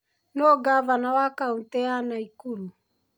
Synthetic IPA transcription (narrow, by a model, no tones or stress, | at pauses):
nɔɡavanawakautɛanaikulu